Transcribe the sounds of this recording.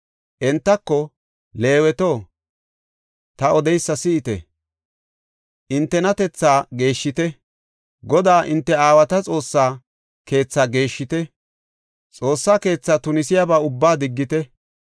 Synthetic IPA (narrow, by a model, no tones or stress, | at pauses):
ʔɛnt̪ːɐkːɔ | le̞ːwɛt̪o̞ː | t̪ɐɔd̪ɛjsːɐsɪːt̪ɛ̰ | ʔɪnt̪ːɛnɐt̪ɛt͡sːaːɡe̞ːʃːɪt̪ɛ | ɡɔd̪aːʔɪnt̪ːɛaːwɐt̪ɐt͡sʼo̞ːsːaː | ke̞ːt͡sːaːɡe̞ːʃːɪt̪ɛ | t͡sʼo̞ːsːaːke̞ːt͡sːaːt̪ʊnɪsɪjabaːʊbːaːd̪ɪɡːɪt̪ɛ